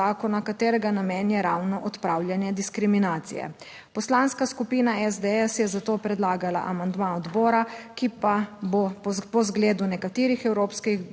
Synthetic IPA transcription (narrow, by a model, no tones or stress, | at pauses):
aːkɔnakat̪eːɾɛɡanameːnjɛɾawnɔʔɔt̪pɾaːwljanjɛd̪iskɾiminaːt̪sḭjɛ̰ | pɔslaːnskaskupiːnaɛzd̪ɛɛsjɛzat̪oːpɾɛd̪laːɡala̰ʔamand̪maɔd̪bɔːɾakipabopɔzɡleːd̪unɛkat̪eːɾixɛwɾoːpskix